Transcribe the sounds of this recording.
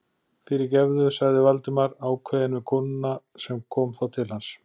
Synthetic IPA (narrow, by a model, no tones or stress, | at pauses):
θɪːɾɪɾcɛɾðʏsaɣðɪvalt̪ɪmaɾaːwkʰvɛːðɪnvɪkʰʊnːa | sɛmkʰɔːmθawt̪ʰɪlhans